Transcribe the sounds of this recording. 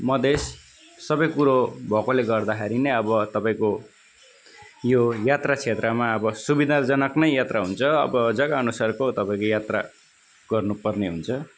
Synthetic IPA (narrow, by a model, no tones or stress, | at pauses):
mʌd̪esː | ʌbʌjkuɾobʱʌkoleɡʌrd̪akʰeɾinʌjʌbʌt̪ʌpaĩko | jojat̪rat͡sʰet̪rʌmaʌbʌsubid̪ʱad͡zʌnʌknʌjjat̪raɦunt͡sʰʌʌ̰bʌd͡zʌɡaʌnusarkot̪ʌpãĩkojat̪ra̰ | ɡ̥ʌrnupʌrneɦunt͡sʰʌ